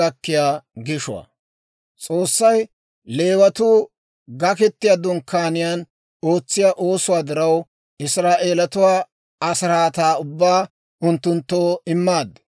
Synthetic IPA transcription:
ɐkːɪjaːɡɪʃʊwa̰ | t͡sʼo̞ːsːɐj | le̞ːwɐt̪uː | ɡɐkɛt̪ːɪjaːd̪ɔnkaːnɪjaːn | o̞ːt͡sːɪjaːʔo̞ːsʊwaːd̪ɪɾɐw | ɪsɾaːʔe̞ːlɐt̪ʊwaː | ɐsɾaːt̪aːʊbːaː | ʊnt̪ːʊnt̪ːoːɪmːaːd̪ː

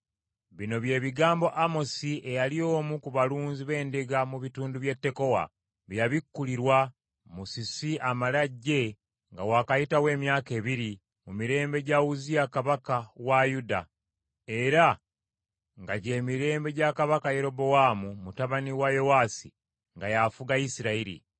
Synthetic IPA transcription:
βino̞βje̞ːβiɡaːmbo̞ʔamo̞siʔejalio̞ːmukuβaluːnziβe̞ːndeɡamuβituːnduβje̞tːe̞ko̞wa̰ | βjaβikːuliɾwa | musisiʔamalaɟːe̞ | ŋɡawaːkajitawe̞ːmjaːke̞ːβiɾi | mumiɾe̞ːmbe̞ɟawuzijakaβakawajuda | e̞ɾa | ŋɡaɟe̞ːmiɾe̞ːmbe̞ɟakaβakaje̞ɾo̞bo̞waːmumutaβaniwajo̞waːsi | ŋɡajafuɡaisiɾaiɾḭ

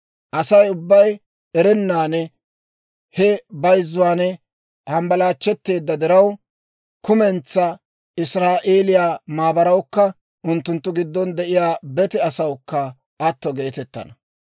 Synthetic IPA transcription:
ʔɐsɐjʊbːɐj | ɛɾɛnːaːnɛ | hɛbɐjzːʊwaːnɛ | hɐmbɐlaːt͡ʃːɛt̪ːe̞ːd̪ːɐd̪ɪɾɐw | kʊmɛnt͡sːɐ | ɪsɾaːʔeːlɪjaːmaːbɐɾɐwkːɐ | ʔʊnt̪ːʊnt̪ːʊɡɪd̪ːɔnd̪ɛʔɪjaːbɛt̪ɛɐsɐwkːɐ | ʔɐt̪ːɔɡe̞ːt̪ɛt̪ːɐ̰nɐ

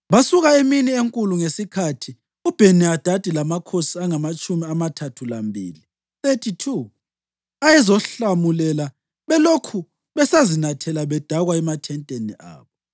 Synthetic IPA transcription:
βasuɣaeminieŋkʼuluŋesikʰatʰi | ub̥ʱenɛad̥ʱad̥ʱilamakʰosiaŋamat͡ʃʼumiamatʰatʰulambʱḭːli | θetʰitʰu | ajɛzɔɬamulɛla | βɛlokʰu | βɛsazinatʰɛlaβɛd̥ʱaɣwaɛmatʰɛntʼenḭʔa̰ːβɔ

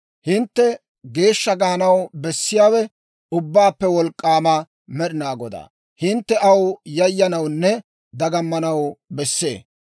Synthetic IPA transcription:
hɪnt̪ːɛ | ɡe̞ːʃːɐɡɐɐnɐwbɛsːɪjaːwɛ | ʊbːaːpːɛwɔlkʼːaːmɐ | mɛɗɪnaːɡɔd̪a̰ː | hɪnt̪ːɛɐwjɐjːɐnɐwnːɛ | d̪ɐɡɐmːɐnɐwbɛsːḛː

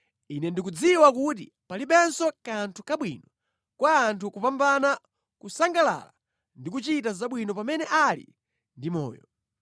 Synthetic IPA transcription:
inɛndikud͡ziwakutḭ | palipɛnsɔkantʰukaɓwinɔ | kwaːntʰukupambana | kusaŋɡala̰la̰ | ndikut͡ʃitazaɓwinɔpamɛnɛʔalḭ | ndimɔ̰ːjɔ̰

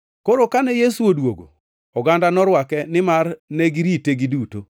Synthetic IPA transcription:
koɾokanɛjesuodwo̰ɡo̰ | ɔɡandanɔɾwakɛnɪmarnɛɡiɾiteɡiduto

